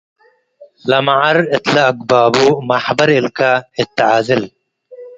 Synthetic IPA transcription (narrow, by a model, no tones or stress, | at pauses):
lɐmaʕɐɾɪt̪lɐɐkbaːbumaħbɐɾɪlkaɪt̪ːaʕaːzɪl